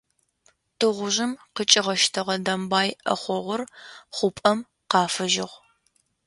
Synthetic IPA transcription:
tʰɨʁʷʊʑɪmqət͡ʃʼɪʁɐʃtʰɐʁɐdɐmbɑːjʔɐ̰χʷɔʁʷʊrχʷʊpʼɐm | qɑːfɨʒɪʁʷ

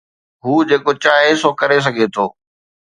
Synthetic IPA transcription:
ɦuːd͡ʑeːkot͡ɕaːɦesokɐɾes̬ɐɡʱet̪ʰoː

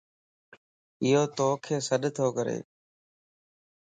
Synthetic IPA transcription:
ɪɦoːt̪oːkʰeːsəɗt̪ʰoːkəɾḛː

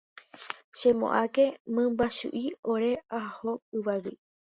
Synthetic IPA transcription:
ʃẽmõ̰ʔakemɨ̃mbaʃṵʔioɾe̞ahoɨβaβi

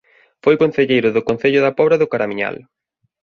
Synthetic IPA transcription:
fojkon̟θeʎejɾʊðʊkon̟θeʎʊðɐpɔβɾaðʊkaɾamiɲa̰l

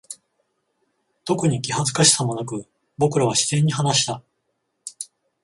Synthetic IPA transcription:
t̪o̞kɯ̟ɲ̟ikʲiɦazɨ̥kaɕi̥samo̞nak̬ɯ̟ | bo̞kɯ̟ɾaβ̞aɕi̥z̥ẽ̞ɲ̟ːiɦanaɕi̥t̪a

